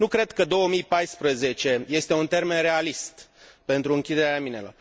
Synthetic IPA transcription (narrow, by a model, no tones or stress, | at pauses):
nukɾe̞d̪kəd̪o̞wəmijpajspɾəze̞t͡ʃe̞je̞st̪e̞unt̪e̞rme̞nre̞alist̪pe̞nt̪ɾuɨŋkʲid̪eɾeaminḛlo̰r